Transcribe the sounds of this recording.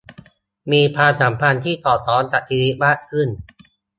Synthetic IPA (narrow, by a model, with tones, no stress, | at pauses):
miː˧pʰaː˧sa˩˦mpʰa˧nt̪ʰiː˥˩t̪ɔː˨˩t̪ʰɔː˨˦˥nt̪a˨˩t̪ʰiː˧ni˦˥maː˥˩kʰɯ˥˩n